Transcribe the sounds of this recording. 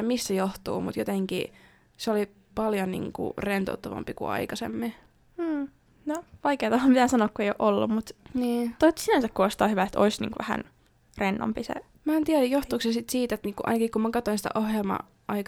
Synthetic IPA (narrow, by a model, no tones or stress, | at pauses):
missejoht̪ṵːmut̪jot̪eŋkḭ | seoli | pɑljonḭːŋkṵrent̪ṵːt̪ːɑʋɑ̰mpikṵɑ̰ikɑsḛmːiː | noʋɑikeːt̪ɑhɑmit̪æsɑnoːkkuejoʔolːummut̪niːt̪oit̪sinænsækkuoˑist̪ɑˑhyʋæet̪o̰isnḭːŋkuʋæhæ̰n | renːo̰mpisḛ | mæːnt̪iæɾæjjoht̪uːksesit̪siːt̪et̪nikuʔɑ̰inɑkikumækɑt̪oinsi̥t̪æ̰ʔohjelmɑ̰ | ɑik